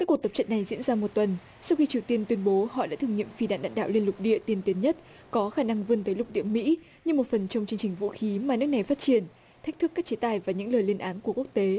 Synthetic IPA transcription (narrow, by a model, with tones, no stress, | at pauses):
kaː˦˥kːu˨˩t̪ə˩p̚t͡ɕə̰˧˨nːa˨˩jzḭ˧˥ənzaː˧mo˨˩t̚t̪wə˨˩n | sa˧wxi˧t͡ɕi˨˩əwt̪i˧ənt̪wi˧ənɓo˨˦hɔ̰˧˨ɗa̰ː˧˥t̪ʰɨ˨˩əŋɲḭ˧˨əmfi˧ɗa̰ː˧˨nɗa̰ː˧˨nɗa̰ː˧˨wli˧əlʊ˨˩k͡p̚ɗḭ˧˨ət̪i˧ənt̪i˨˦ənɲə˦˥t̚ | kɔ˨˦xaː˧˩na˧ŋvɨ˧ənt̪əː˨˦jlʊ˨˩k͡p̚ɗḭ˧˨əmḭ˧˥ | ɲɨ˧ŋmo˨˩t̚fə˨˩nt͡ɕɔ˧wŋ͡mt͡ɕɨ˧əŋt͡ɕï˨˩ŋ̟vṵ˧˥xi˨˦maː˨˩nɨ˦˥kna˨˩jfaː˦˥t̚t͡ɕi˨˩ən | t̪ʰk̟̚t̪ʰɨ˦˥kːaː˦˥k̚t͡ɕe˨˦t̪aː˨˩jvaː˨˩ɲɨ̰˧˥ŋləː˨˩jli˧ənʔaː˨˦nku˧˩əku˦˥ək̚t̪e˨˦